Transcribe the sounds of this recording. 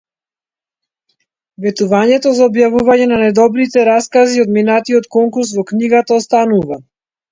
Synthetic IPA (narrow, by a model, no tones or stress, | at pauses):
vɛt̪uvaɲɛt̪ɔzaɔbjavuvaɲɛnanajd̪ɔbɾit̪ɛɾaskaziɔd̪minat̪iɔt̪kɔŋkuɾs̬vɔkniɡat̪aɔst̪anuva